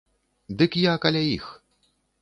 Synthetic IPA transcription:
d̪ɨkjakalʲajix

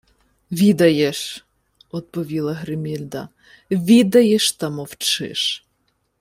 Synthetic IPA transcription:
ʋʲid̪ɐjeʃ | ɔt̪̚pɔʋʲilˠɐɦɾɪmʲilʲd̪ɐ | ʋʲid̪ɐjeʃt̪ɐmɔwt͡ʃɪ̰ʃ

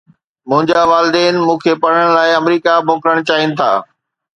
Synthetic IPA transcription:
mʊ̃ɦɪ̃ɲd͡ʑaʋaːlɪd̪ɛːnɪmũːkʰepɐɽ̤əɽ̃laːɪɐmɾiːkabʱoːkɾəɽ̃t͡ɕaːɦinɪ̆t̪ʰa̰ː

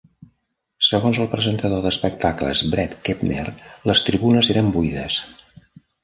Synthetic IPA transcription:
səɣonzəlˠpɾəzənt̪əðoðəspək̚t̪aklə̰zbɾɛt̪kepnḛrləst̪ɾiβunəzeɾəmbuiðəs

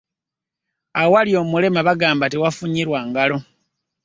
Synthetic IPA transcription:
awaljo̞ːmule̞maβaɡaːmbatiwafuɲiɾwaŋɡalo̞

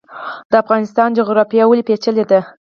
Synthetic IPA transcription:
d̪̥əafɣɑnɪst̪ɑnd͡ʒoɣɾɑfijɑwəlepet͡ʃəled̪a

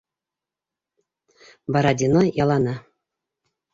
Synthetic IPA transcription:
bɑɾad̪ʲinojɑlˠɑnɑ

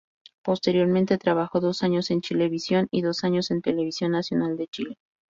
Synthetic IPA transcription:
po̞st̪e̞ɾjo̞ɾmẽnt̪e̞t̪ɾaβaxo̞ðo̞saɲo̞se̞nt͡ʃile̞βisjo̞niðo̞saɲo̞se̞nt̪e̞le̞βisjo̞nːasjo̞nald̪e̞t͡ʃile̞

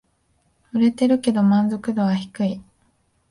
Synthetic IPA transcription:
ɯ̟ɾe̞t̪e̞ɾɯ̟ke̞d̪o̞mãnzo̞kɯ̟d̪o̞βaçi̥kɯ̟i

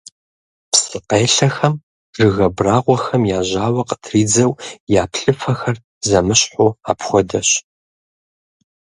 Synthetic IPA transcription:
psɨqeːɬɐxɐm | rɨɣɐbraːʁʷɔxɐmjaːʑaːwɐqətʰriːd͡zɐwjaːpʰɬʼɨfɐxɐr | zɐmɨɕħʊːa̰ːpxʷɔdɐɕ

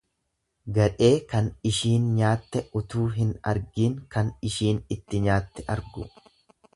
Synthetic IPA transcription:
ɡɐᶑe̞ːkɐnɪʃiːnɲaːt̪ːɛʊt̪uːɦɪnɐ̰ɾɡiːŋkɐnɪʃiːnɪt̪ːɪɲaːt̪ːɛʔɐ̰ɾɡʊ̰

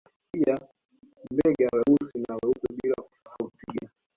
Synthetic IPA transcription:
pia | mbɛɡɛawɛusinawɛupɛɓilaku̥fakaupiɡa

